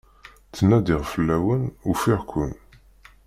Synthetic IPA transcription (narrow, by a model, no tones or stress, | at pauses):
θənːæd̪iʁfəlːæwənufiʁkʷʊn